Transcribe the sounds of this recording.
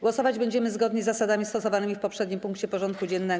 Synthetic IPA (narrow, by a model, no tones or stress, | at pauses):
ɡwɔsɔvad͡ʑbɛɲd͡ʑɛmɘzɡɔd̪ɲɛzːasad̪amʲist̪ɔsɔvanɘmʲifpɔpʂɛd̪ɲimpuŋkt͡ɕɛpɔʐɔnt̪̚kud͡ʑɛnːɛ